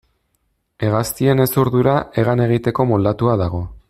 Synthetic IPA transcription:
e̞ɣast̪ie̞ne̞suɾðuɾae̞ɣ̞ane̞ɣ̞it̪e̞ko̞mold̪at̪uaðaɣ̞o̞

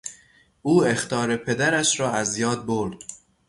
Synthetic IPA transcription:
ʔuːe̞xt̪ʰɒːɾe̞pʰe̞d̪æɾæʃɾɒːæzjɒːd̪̚boɾd̪̥

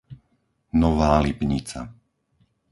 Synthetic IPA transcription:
nɔʋaːlipɲit͡sa̰

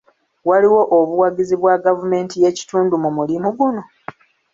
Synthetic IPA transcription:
waliwo̞ʔoβuwaɟiziβwaɡavume̞ːntije̞ci̥tuːndumumulimuɡuno̞

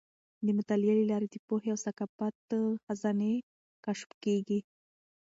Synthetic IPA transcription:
d̪əmʊt̪aljalilɑɾed̪əpoɦeawsakapat̪xazɑne | kaʃpkeɡi

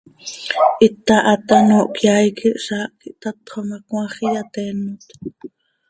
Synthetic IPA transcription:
ʔit̪ɑʔɑt̪ɑnoːʔkjajkiʔʃɑːʔkiʔt̪ɑt̪χomɑkw̃ɑ̃χijat̪ɛːnːut̪

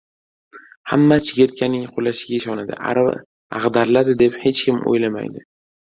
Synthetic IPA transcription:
hamːat͡ʃʰɪɡʲeɾt̪̚kʲanɪŋqʰolaʃɪɡʲaɪʃɒnad̪ɪ̰ | a̰ʁd̪aɾlad̪ɪd̪e̞phe̞t͡ʃkʲɪmo̰jlama̰jd̪ɪ

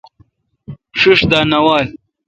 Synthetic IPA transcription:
ʂuʂd̪aːnɐwaːl

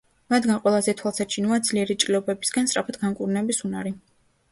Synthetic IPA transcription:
mad̪ɡanqʼwɛlˠazɛt̪ʰwalˠsat͡ʃʰinuad̪z̥liɛɾit͡ʃʼliɔbɛbi̥sɡanst̪ʼɾapʰat̪ʰɡaŋkʼuɾnɛbisunaɾi

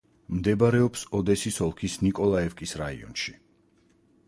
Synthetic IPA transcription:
md̪ɛbaɾɛɔpsɔd̪ɛsisɔlˠkʰisnikʼɔlˠaɛfkʼisɾaḭɔ̰nʃi

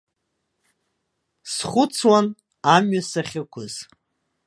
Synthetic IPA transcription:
sχʷʊt͡sʰwan | amɥasaχʲɪkʷʰʊz̥

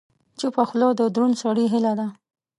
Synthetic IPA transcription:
t͡ʃupaxlod̪əd̪ɾunsɑɽiɦɪlad̪a

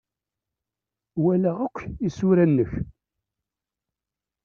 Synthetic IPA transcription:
wælæʁəkʷːisuɾænːəç

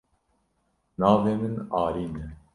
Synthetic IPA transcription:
nɑːveːmɨnɑːɾiːnɛ

